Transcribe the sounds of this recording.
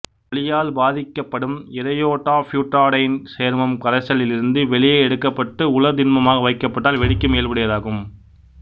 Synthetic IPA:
ɐɭɪjaːlbaːðɪkːɐpːɐɽɯmɪɾɐjoːʈːaːfjuːʈɾaːɽɐɪɪnseːɾmɐmkɐɾɐsɐlɪlɪɾɯnd̪ɯʋɛɭɪjɐɛɽɯkːɐpːɐʈːɯʊɭɐd̪ɪnmɐmaːɣɐʋɐɪkːɐpːɐʈːaːlʋɛɽɪkːɯmeːlpɐɽɯjɐðaːɣɯm

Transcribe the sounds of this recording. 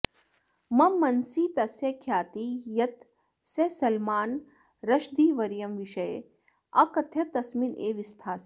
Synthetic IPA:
mɐmːɐnsiːt̪ɐsekʰjaːt̪ijɐt̪ | sesɐlmaːn | ɾɐʃd̪iːʋɐɾjɐmʋiʃɐje | ɐkɐt̪ʰjɐt̪ɐsminʔeːʋist̪ʰaːs

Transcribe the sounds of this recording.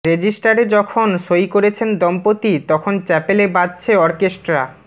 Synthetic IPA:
ɾed͡ʑisʈaɾed͡ʑɔkʰonʃojkoɾet͡ɕʰend̪ɔmpot̪it̪ɔkʰont͡ɕɛpelebad̚t͡ɕʰeɔɾkesʈɾa

